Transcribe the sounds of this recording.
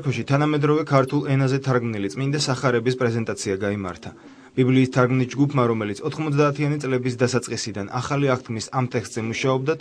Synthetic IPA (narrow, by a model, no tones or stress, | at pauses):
kʰɔʃit̪ʰanamɛd̪ɾɔvɛkʰaɾt̪ʰulˠɛnazɛt̪ʰaɾɡmnilit̪sʼmind̪asaχaɾɛbispʼɾɛzɛnt̪ʼat̪sʰiaɡaima̰ɾt̪ʰa | b̥ibliːst̪ʰaɾɡmnisd͡ʒɡupʰmaɾɔmɛlit̪sʰɔt̪ʰχmɔt̪s̬ʰd̪aːt̪ʰianit̪sʼlɛbisd̪asat̪sʼqʼisid̪anʔa̰χaliaχt̪̚ɡmisamt̪ʼɛkst̪ʼzɛmuʃaɔb̚d̪a